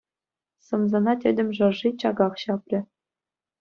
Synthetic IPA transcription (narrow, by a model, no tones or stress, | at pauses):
sɤ̆mzɑnɑtʲɘ̆dʲɘ̆mʲʐɤ̆rʐit͡ɕɑɡɑχɕɑprʲɘ̆